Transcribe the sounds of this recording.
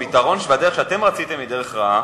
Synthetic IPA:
itaʁo̞nʃvad̪eʁeχʃeat̪e̞mʁat͡sit̪e̞mid̪eʁeχʁaa

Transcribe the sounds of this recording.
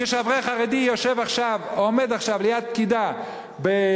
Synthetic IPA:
eʃavʁeχaʁed̪ijoʃevaχʃavome̞d̪aχʃavlejad̪̚p̚kid̪a | be

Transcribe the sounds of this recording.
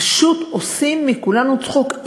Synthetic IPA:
ʃut̪osimːikulanut͡sχok

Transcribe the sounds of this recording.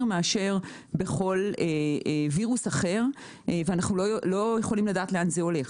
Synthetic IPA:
meaʃe̞ʁ | be̞χo̞leviʁusaχe̞ʁ | veanaχnulolo̞je̞χo̞limladaːt̪le̞anzeo̞le̞χ

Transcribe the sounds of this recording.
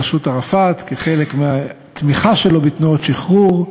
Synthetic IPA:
aʃut̪aʁafat̪keχe̞le̞kmea | t̪miχaʃelo̞bit̪nuotʃiχʁuʁ

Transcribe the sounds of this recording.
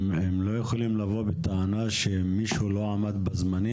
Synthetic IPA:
emlo̞jeχolimlavo̞bet̪aanaʃemiʃulo̞amad̪bazmani

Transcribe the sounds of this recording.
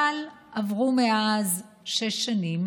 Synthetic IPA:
al | ʔavʁumeaz | ʃe̞ʃːanim

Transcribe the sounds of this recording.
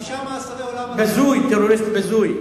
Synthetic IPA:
bezujt̪eroɾist̪bezuj

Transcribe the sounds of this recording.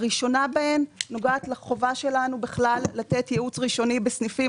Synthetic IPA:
ʁiʃo̞nabahemːo̞ɡaːtleχo̞vaʃelanubeχlalːat̪etjeut͡sʁiʃo̞nibesnifi

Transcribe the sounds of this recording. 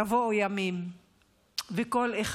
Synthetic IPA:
avojamim | vekoleχ

